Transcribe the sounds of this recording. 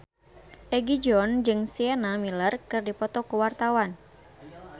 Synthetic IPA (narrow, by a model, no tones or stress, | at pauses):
ʔɛɡid͡ʒɔnd͡ʒɨŋsiɛnamilərkɨrdipɔt̪ɔkuwart̪awan